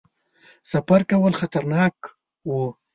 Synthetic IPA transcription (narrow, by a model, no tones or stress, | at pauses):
sapaɾkawəlxat̪aɾnɑk | wu